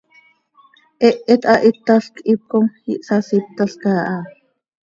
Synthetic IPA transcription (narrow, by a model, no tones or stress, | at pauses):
ʔɛʔːɛt̪ɑʔit̪ːaɬkip̚komhiʔsasip̚t̪aɬkaːʔɑ